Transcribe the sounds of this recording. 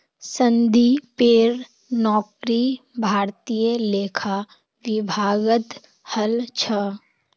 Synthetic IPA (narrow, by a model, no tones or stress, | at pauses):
sə̃nd̪ipeːɾ | nɔːkɾibʱaːɾt̪ijəleːkʰa | ʋɪbʱaːɡət̪ | həlt͡ʃʰə